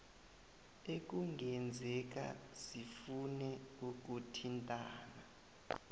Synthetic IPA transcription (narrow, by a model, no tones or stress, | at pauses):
ek̬ʼuŋʱɛnd͡zʱɛk̬a̰sifunɛuk̬ʼutʰintʼaːna